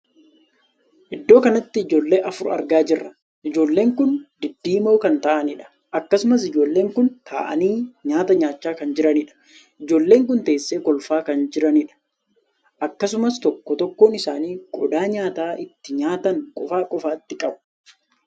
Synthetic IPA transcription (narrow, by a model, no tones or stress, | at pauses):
ʔɪd̪ːo̞ːkɐnɐt̪ːɪɪd͡ʒo̞ːlːe̞ːʔɐfʊɾɐ̰ɾɡaːd͡ʒɪrːɐ | ʔɪd͡ʒo̞ːlːe̞ːŋkʊnd̪ɪd̪ːiːmoːkɐnt̪aːʔɐnɪᶑɐ̥ | ʔɐkːɐsʊmɐs̬ɪd͡ʒo̞ːlːe̞ːŋkʊnt̪ʰa̰ːʔɐ̰niːɲaːt̪ɐɲaːt͡ʃːaːkɐnd͡ʒɪɾɐnɪᶑɐ̥ | ʔɪd͡ʒo̞ːlːe̞ːŋkʊnt̪e̞ːsːeːkɔlfaːkɐnd͡ʒɪɾɐnɪᶑɐ̥ | ʔɐkːɐsʊmɐst̪ɔkːɔt̪ɔkːoːnɪsaːniːkʼɔd̪aːɲaːt̪aːʔɪt̪ːɪɲaːt̪ɐŋkʼɔfaːkʼɔfaːt̪ːɪkʼɐbʊ̥